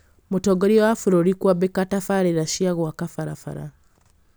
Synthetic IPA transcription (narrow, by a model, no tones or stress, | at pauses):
mutoɡoɾiwafuɾoɾikwabekatafaɾeɾaʃiaɣwakafaɾa̰fa̰ɾa̰